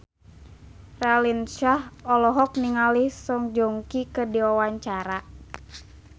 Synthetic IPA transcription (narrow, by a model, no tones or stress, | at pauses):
ralinʃahɔlɔɦɔk̚niŋalihsɔŋd͡ʒɔŋkikədiawaɲt͡ʃaɾa